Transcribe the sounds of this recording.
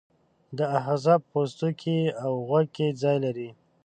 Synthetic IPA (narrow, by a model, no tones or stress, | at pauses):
d̪əaɦazɑb̚post̪ukʰiawɣwaɡ̚ked͡zɑjlaɾi